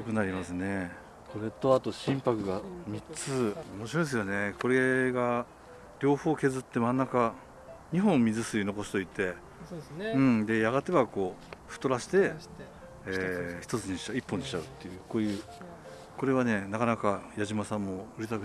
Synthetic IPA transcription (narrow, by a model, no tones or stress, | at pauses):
jokɯ̟naɾʲimasɨne̞ | kʰo̞ɾe̞t̪o̞at̪o̞ɕĩmpakɯ̟ɡamʲit͡sɨomo̞ɕiɾo̞es̬ɨjo̞ne̞ko̞ɾe̞ɡa | ɾʲo̞ːho̞ːke̞zɨt̪ːe̞mãnːaka | ɲ̟iɦõ̞mmʲizɨsɨino̞ko̞sɨ̥t̪o̞it̪ːe̞ | ɯ̃d̪e̞jaɡat̪e̞βako̞ːɸɯ̟̥t̪o̞ɾaɕi̥t̪e̞ | çi̥t̪o̞t͡sɨɲ̟iɕi̥aipːoɲ̟iɕi̥t͡ɕaɯ̟t̪ːe̞jɯ̟ːkoːjɯ̟ː | ko̞ɾe̞β̞ane̞nakanakajaʑimasãmːo̞ɯ̟ɾet̪akɯ̟